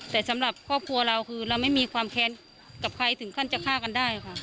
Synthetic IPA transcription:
t̪ɛː˨˩sa˨˦mla˨˩p̚kʰɔː˥˩p̚kʰu˧ɐla˧wkʰɯː˧la˧wma˥˨jmiː˧kʰwaː˧mkʰɛː˧˥n | ka˧˩p̚kʰa˧jt̪ʰɯ˨˩˦ŋkʰa˧˥˨nt͡ɕa˧˨kʰaː˥˩˨ka˧˨ndaː˥˩jha˧˩kʰa˧˩

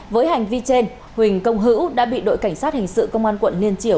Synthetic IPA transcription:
vəː˨˦jha˨˩jŋ̟vi˧t͡ɕe˧n | hwï˨˩ŋ̟kə˧wŋ͡mɦɨ̰˧˥wɗa̰ː˧˥ɓḭ˧˨ɗo̰˧˨jka˧˩jŋ̟saː˦˥t̚hï˨˩ŋ̟sɨ̰˧˨kə˧wŋ͡mʔaː˧nkwə̰˧˨nli˧ənt͡ɕi˧˩əw

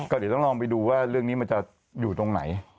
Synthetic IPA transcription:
kɔː˥˩dt̪ŋlɔː˧ŋp̬a˧jduː˧waː˥˩ɾɯ˥˩əŋniː˦˥ma˧nt͡ɕa˨˩ | juː˨˩t̪o˧ŋna̰˩˦j

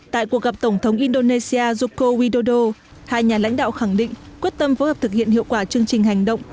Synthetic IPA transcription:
t̪a̰ː˧˨jku˨˩ək̚ɣa˨˩p̚t̪ə˧˩wŋ͡mt̪ʰə˨˦wŋ͡mʔi˧nɗo˧ne˧si˧aː˧zu˧ko˧wi˧ɗo˧ɗo˧ | haː˧jɲaː˨˩la̰˧˥jŋ̟ɗa̰ː˧˨wxa˧˩ŋɗḭ̈˧˨ŋ̟kwi˦˥ət̚t̪ə˧mfo˨˦həː˨˩p̚t̪ʰɨ˨˩k̚hḭ˧˨ənhḭ˧˨əwkwaː˧˩t͡ɕɨ˧əŋt͡ɕï˨˩ŋ̟ɦa˨˩jŋ̟ɗə̰˧˨wŋ͡m

